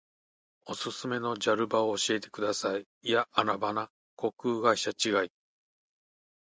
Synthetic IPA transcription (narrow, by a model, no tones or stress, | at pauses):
o̞sɨsɨme̞no̞d͡ʑaɾɯ̟baoːɕie̞t̪e̞̥kɯ̟d̪asaiːjaːɾabana | ko̞kɯːɡaiɕat͡ɕiɡai